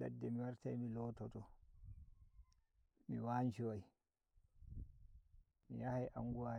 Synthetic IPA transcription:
la̰dːɛmiwaɾtajmilɔːtɔtɔ | miwaːnt͡ʃiwaji | mḭjahajʔa̰ŋɡuwa

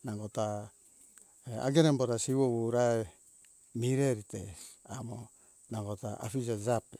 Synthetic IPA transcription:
naŋɡota | ea̰ɡenemboɾasiβowouɾae | miɾeɾitesamo | naŋɡotaʔa̰fid͡ʒad͡ʒape

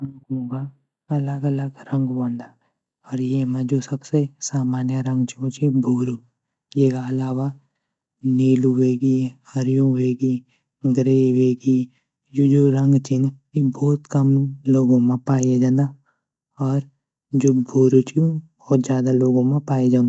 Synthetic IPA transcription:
ɾɐ̃ŋkõka | ɐləɡələɡɾə̃ŋɡbõːnd̪aː | ɔːɾjemẽd͡ʒoːsəbsesaːmaːnjəɾɐ̃ŋɡt͡ʃʰiõt͡ʃʰibʱuːɾu | jeːkaɐlaːwa | niːluʋeːɡihəɾɪjõʋeːɡi | ɡɾeːʋeːɡi | d͡ʒoːd͡ʒoːɾɐ̃ŋɡt͡ʃɪnjibɔːt̪kəmloːɡõmẽpaːjed͡ʒãːnd̪a | ɔːɾ | d͡ʒoːbʱuːɾut͡ʃʰiũbɔːt̪d͡ʒjaːd̪aloːɡõmẽpaːed͡ʒãːnd̪a

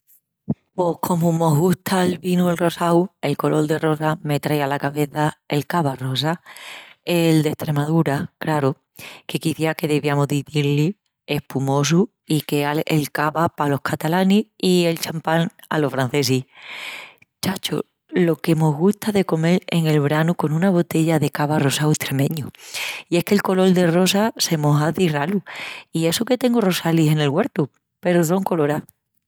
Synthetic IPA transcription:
po̞hkʰo̞momo̞ɦɣust̪alβinuelro̞sawe̞lko̞lo̞ld̪e̞ro̞same̞t̪ɾajalakaβe̞θae̞lkaβaro̞s̬a | eld̪e̞ht̪ɾe̞mað̞uɾaklaɾo | ke̞kiθiake̞ðeβjamoðiθiɾli | e̞hpumo̞s̬u | ikeaelkaβapalo̞hkʰat̪alaniie̞lt͡ʃampaŋa̰lo̞fɾan̟θe̞s̬i | t͡ʃat͡ʃo̰ | lo̞ke̞mo̞ɦɣuht̪aðe̞ko̞me̞ɾe̞ŋe̞lβɾanuko̞nũnaβ̞o̞t̪e̞ʎaðe̞kaβaro̞saweht̪ɾe̞mẽ̞ɲuie̞hke̞lko̞lo̞ld̪e̞ro̞sase̞moɦaθiraluie̞suke̞t̪e̞ŋɡoro̞salihe̞ne̞lɣwe̞ɾt̪u | pe̞ɾoso̞ŋko̞lo̞ɾa

